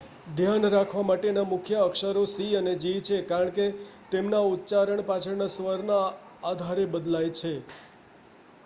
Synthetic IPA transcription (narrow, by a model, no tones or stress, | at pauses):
d̪ʱjanɾakʰʋamaʈenamʊkʰjəəkʃəɾosiəned͡ʒit͡ʃʰekaɾəɳket̪emnaut̪ːt͡ʃaɾəɳpat͡ʃʰəɾnasʋəɾnaː | d̪ʱaɾebəd̪lajt͡ʃʰe